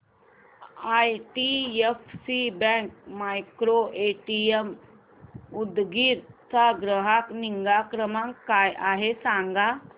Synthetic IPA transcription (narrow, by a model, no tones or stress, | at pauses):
ajʈiefsibɛ̃ŋk̚majkɾoʔeʈiem | ud̪ɡiɾt͡saɡɾəɦakniŋɡakɾəmãŋkːajʔaɦesãŋɡa